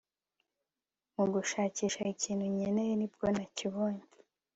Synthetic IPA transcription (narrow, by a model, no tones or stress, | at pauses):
muɡuʃaːciːʃaiciːnhuɲenejenib̚ɡo̞naciβoːɲe